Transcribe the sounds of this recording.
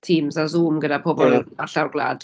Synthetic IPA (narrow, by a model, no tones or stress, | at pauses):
tʰiːmzazuːmɡədapʰɔbɔlˠaɬawrɡlˠa̰ːd̥